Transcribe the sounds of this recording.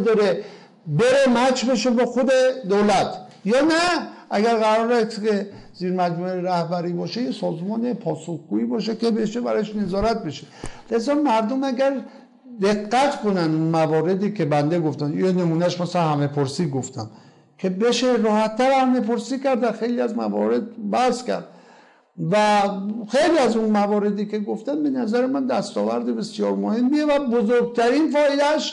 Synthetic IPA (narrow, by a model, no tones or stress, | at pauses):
d̪ɒɾe | be̞ɾemæt͡ʃʰbe̞ʃebɒːxo̞d̪ed̪olæt̪ʰjɒːnæʔæɡæɾɣæɾɒːɾese | ziːɾmæd͡ʒmueɾæhbæɾiːbɒːʃejesɒːzmɒːnepʰɒːsoxɡ̥uiːbɒːʃekʲe̞beʃebæɾɒjeʃne̞zɒːɾæt̪̚be̞ʃele̞zɒːmæɾd̪omæɡæɾ | d̪eɡːæt̪konænd̪unmævɒːɾe̞d̪iːkʰe̞bænd̪eɡo̞ft̪ænienemuːnæʃmæsænhæme̞pʰoɾsiːɡoft̪ʰæm | kʰe̞be̞ʃeɾɒːhæt̪ʰːæɾhæme̞poɾsiːkæɾd̪væxe̞jliæzmæ̰vɒ̰ːɾe̞d̪̚bæskʲæ̰ɾd̪ | væxe̞jliæzunmævɒːɾe̞d̪iːke̞ɡoft̪ænbe̞næzæɾemænd̪æst̪ɒːvæɾd̪ebe̞sjɒːɾmohe̞mːijevæbozoɾɡ̚t̪ʰæɾinfɒːelæʃ